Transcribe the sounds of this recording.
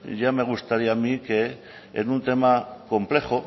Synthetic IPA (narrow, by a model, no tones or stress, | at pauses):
ʝame̞ɣ̞ust̪aɾiamike | ḛnunt̪e̞mako̞mple̞χo